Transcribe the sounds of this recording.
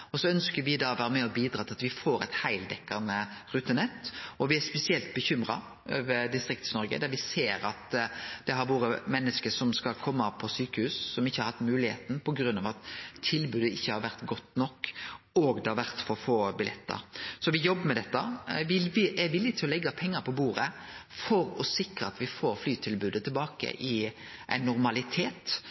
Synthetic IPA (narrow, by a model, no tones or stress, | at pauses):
ɔsɔœnskəɾʋɪd̪ɑːʋæːɾəmɛɔbiːd̪ɾɑːt̪ʰɪlɑt̪ʋɪfoːɾɛ̰t̪hæɪld̪ɛkːɑnəɾʉːt̪ːənɛt̪ːɔʋɪæɾspɛsɪɛlt̪̚bəçʏmɾɑ̰ | ʔøːʋəɾd̪ɪst̪ɾɪk̚t̪ə̥snɔɾɡə̰d̪æɾʋɪseːɾɑt̪d̪̥ɛɦɑɾʋoːɾəmɛnːəskəsɔmskɑlkʰɔmːɑpʰɔsyːkəhʉːssɔmɪçːəhɑɾhɑt̪ːmʉːlɪhḛːt̪n̩pʰɔɡɾʉnːɑʋɑt̪ʰːɪlbʉːd̪əɪçːəhɑɾʋæɾt̪ɡɔt̪ːnɔkː | ɔɡd̪ɛhɑɾʋæɾt̪fɔɾfoːbɪlɛt̪ːə̰ɾsɔʋɪjɔbːəmɛd̪ɛt̪ːɑɪɪæʋɪlːɪt̪ʰɪlɔlɛɡːɑpʰɛŋːəɾpʰɔbuːɾəfɔɾɔsɪkɾəɑt̪ʋɪfoːɾflyːt̪ʰɪlbʉːd̪ət̪ʰɪlbɑːkə̰ʔɪ | ʔæ̰ɪnːʊɾmɑlɪt̪ʰeːt̪